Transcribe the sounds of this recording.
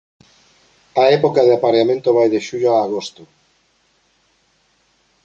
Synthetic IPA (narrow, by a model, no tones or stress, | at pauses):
ɐɛpokaðɪapaɾeamẽnt̪ʊβajðeʃuʎoaːɣ̞ost̪ʊ